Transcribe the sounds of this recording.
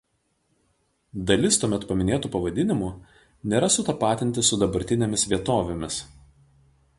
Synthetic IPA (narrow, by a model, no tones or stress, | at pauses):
d̪ɐlʲɪst̪uɔmʲɛt̪pɐmʲɪnʲeːt̪uːpɐʋɐd̪ʲɪnʲɪmuː | nʲeːɾɐsʊt̪ɐpɑːt̪ʲɪnʲt̪ʲɪsʊd̪ɐbɐɾʲt̪ʲɪnʲemʲɪsʋʲiɛt̪oːʋʲemʲɪs